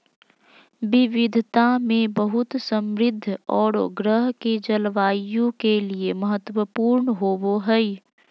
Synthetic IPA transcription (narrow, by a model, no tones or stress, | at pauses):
bɪʋɪd̪ʱt̪amẽbəɦʊt̪səmɾɪd̪ʱːɔːɾɡɾəɦked͡ʒəlʋaːjõkelieməɦət̪wəpuːɾnɦoːboɦɛi